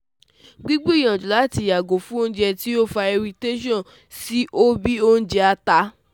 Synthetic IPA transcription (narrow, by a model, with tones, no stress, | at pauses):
ɡ͡bi˦ɡ͡bu˦i˨j̃ã˨d͡ʒu˨la˨˦˨ti˨ja˨ɡo˨fũ˦o˦ñ̩˦d͡ʒɛ˧ti˦o˦˨fa˧ɛ˧ɾi˧te˦ʃɔ̃˦˨ | si˦ʔo˦bi˦o˦n̩˦d͡ʒɛ˧a˧ta˧˦